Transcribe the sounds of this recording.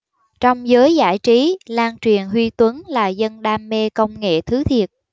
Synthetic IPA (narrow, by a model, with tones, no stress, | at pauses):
t͡ɕɔ˧wŋ͡mzəː˨˦jza̰ː˧˩jt͡ɕi˨˦laː˧nt͡ɕwi˨˩ənɦwi˧t̪wə˨˦nlaː˨˩zə˧nɗaː˧mːe˧kə˧wŋ͡mŋḛ˧˨t̪ʰɨ˨˦t̪ʰi˨˩ət̚